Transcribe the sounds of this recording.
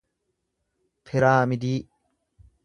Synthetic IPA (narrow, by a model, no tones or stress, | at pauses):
fʰɛɾaːmɪd̪iː